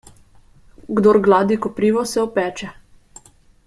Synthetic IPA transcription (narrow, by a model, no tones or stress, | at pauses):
ɡd̪oɾɡlaːd̪ikɔpɾiːʋɔsɛɔpɛːt͡ʃɛ